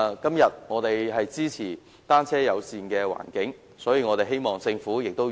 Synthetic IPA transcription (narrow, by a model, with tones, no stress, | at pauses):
kɐ˥mjɐ˨t̚ŋɔː˨˧t̪e˨jɦɐ˨jt͡siː˥t͡sʰiː˨˩ | t̪aː˥nt͡sʰɛː˥jɐ˨˧wsiː˨nkɛː˧wa̰ː˨˩nkɪ˨˥ŋ | sɔː˨˥jiː˨˧ŋɔː˨˧t̪e˨ɦe˥jmɔː˨˩ŋt͡sɪ˧ŋfuː˨˥jɪ˨k̚t̪o˥w